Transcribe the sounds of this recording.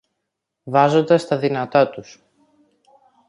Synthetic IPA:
vɐzo̞nd̪ɐst̪ɐðinɐt̪ɐt̪us

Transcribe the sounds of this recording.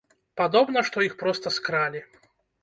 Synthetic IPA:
pad̪ɔbnɐʂt̪ɔixpɾɔst̪ɐskɾalʲi

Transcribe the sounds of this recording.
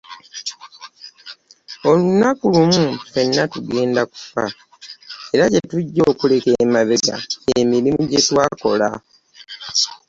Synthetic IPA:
o̞lunakulumutwe̞nːatuɡe̞ːndaku̥fa̰ | e̞ɾaɟe̞tuɟːo̞ːkule̞kemaβeɡa̰emiɾimuɟetwaːko̞la

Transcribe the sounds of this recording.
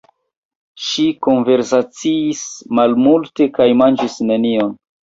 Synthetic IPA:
ʃiko̞nve̞ɾsat͡siːsmalmulte̞kajmand͡ʒisne̞nion

